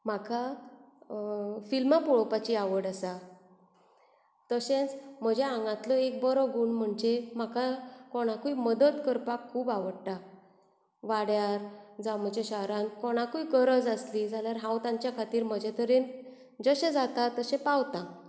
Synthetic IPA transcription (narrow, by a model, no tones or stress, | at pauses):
m̤akʰa | filmapuɭpat͡ɕiaʋəɽasa | t̪əɕẽt͡sm̤əd͡ʑeãŋɡãt̪lɔek̚bəɾɔɡuːɳm̤əɳd͡ʑem̤akʰakoɽ̃akuiməd̪ət̪kəɾpakʰːuːbaʋəɽʈa | ʋaɽjaɾd͡zam̤əd͡ʑeɕaɦɾãnkoɽ̃akuikəɾəd͡zəslid͡zʱaljaɾɦãwt̪ãɲt͡ɕjakʰat̪iːɾm̤əd͡ʑet̪əɾen | d͡zəɕed͡zat̪at̪ːəɕẽpawt̪ã